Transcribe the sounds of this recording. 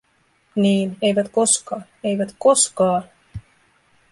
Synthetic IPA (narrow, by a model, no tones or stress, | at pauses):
niːne̞jʋæt̪ko̞skɑː | e̞jʋæt̪ko̞skɑː